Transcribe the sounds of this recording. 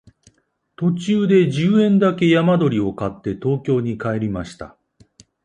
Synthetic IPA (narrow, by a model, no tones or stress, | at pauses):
t̪o̞t͡ɕɨːd̪e̞ʑɨːẽ̞nd̪ake̞jamad̪o̞ɾʲio̞kat̪ːe̞t̪o̞ːkʲo̞ːɲ̟ikae̞ɾʲimaɕi̥t̪a̰